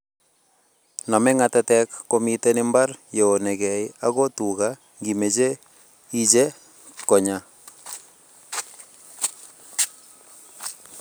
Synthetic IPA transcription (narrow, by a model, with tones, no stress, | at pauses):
nɔ˨mɛ˦ŋa˦tɛ˦tɛkːo˦mi˦te˦nɪ˦mba˦rjo˨o˨nɛ˨kɛ˨ia˦ɣo˦tu˨ɣa | ŋɡi˨me˨t͡ʃe˦ | i˦d͡ʒe˦ | kɔ˨ɲa˦